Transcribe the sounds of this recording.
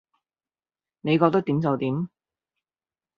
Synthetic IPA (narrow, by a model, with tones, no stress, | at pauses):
ne˨˧jkɔː˧k̚t̪o˥wt̪i˨˥mt͡sɐ˨wt̪iː˨˥m